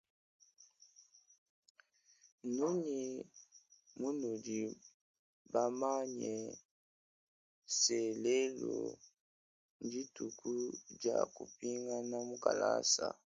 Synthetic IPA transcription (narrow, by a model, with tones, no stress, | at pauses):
nu˦ni˨ | mu˦nu˨di˨ | ba˦ma˦ɲɛ˨ | sɛ˨lɛ˦lo˨ | ndi˦tu˨kʰu˦d͡ʒa˨ku˨pi˦ŋɡa˦na˦mu˦ka˨la̰˦sa̰˨